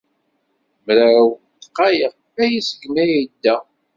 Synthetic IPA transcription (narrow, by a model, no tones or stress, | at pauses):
mɾæw | t̪qːɑjəʁ | æjisə̥kːnæjid̪ːæ